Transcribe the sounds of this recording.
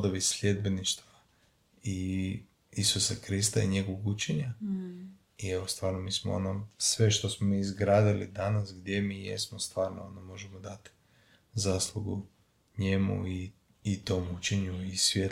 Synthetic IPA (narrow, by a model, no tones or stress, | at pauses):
d̪oʋisʎʲe̞d̪̚be̞niʃt̪ʋa | i | isusakɾist̪aiɲe̞ɡoʋoɡut͡ʃeɲa | ieʋost̪ʋaːɾnomiːsmoonosʋe̞ʃt̪o̞smomiːzɡɾaːd̪ilḭd̪anasɡd̪je̞miːjḛsmost̪ʋaːɾno̰onomo̞ʒemod̪at̪i̥ | zaːslˠuɡṵ | ɲemṵiː | t̪o̞mut͡ɕeɲuisʋje